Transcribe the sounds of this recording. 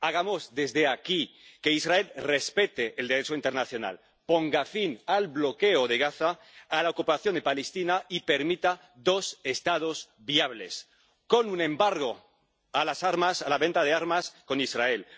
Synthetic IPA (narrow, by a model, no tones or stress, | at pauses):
aɣamo̞zðe̞zðeakikeisrae̞lre̞spe̞t̪eʔːld̪eɾet͡ʃoint̪eɾnaθjo̞na̰l | po̞ŋɡafinalβlo̞keoðe̞ɣ̞aθaː | laokupaθjo̞nd̪epalest̪inaipe̞ɾmit̪a | ðo̞se̞st̪að̞os | βiaβles | ko̞nunẽ̞mbaɾɣo̞ | alasaɾmasalaβe̞nt̪aðeaɾmasko̞nisrae̞l